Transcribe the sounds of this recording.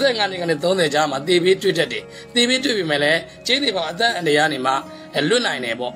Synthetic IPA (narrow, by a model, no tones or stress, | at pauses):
zɛŋaneɡanɪt̪θõʊ̃nzɛd͡ʑamat̪ebetwḛdatːẽ | t̪ebetwḛbemɛ̰lɛ | t͡ɕẽnibãʊ̃ʔət̪̬ã̰ʔãndəjanem̥a̰ | lwɪʔnãɪ̃ndɛpɔ̰ʔ